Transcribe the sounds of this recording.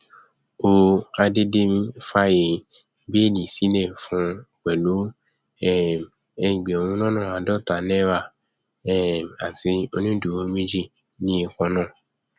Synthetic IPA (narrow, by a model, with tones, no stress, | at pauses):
o˧a˧de˦de˦m̩˦fa˦je˧˦ | be˦˨nĩ˨si˨˦nɛ̃˦˨fũ˧˦k͡pɛ˨lo˨˦ | ɛ˦˨m | ɛ˧˨ɡ͡be˨o˧nũ˧˦nɔ̃˦nã˦˨a˧dɔ˦˨ta˨nɛ˦wa˦˨ | ɛ˦˨m˨a˨ti˧˦o˧nĩ˦du˨wo˧˦mĩ˦d͡ʒi˦˨ | nĩ˦˧˦kɔ̃˧nã˦˨